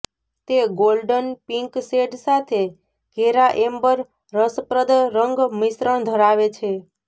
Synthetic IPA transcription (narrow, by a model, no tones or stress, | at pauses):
t̪eɡolɖənpiŋkseɖsat̪ʰe | ɡ̥ʱeɾaʔembəɾ | ɾəspɾəd̪ɾəŋɡmisɾəɳ̃d̪ʱəɾaʋet͡ʃʰe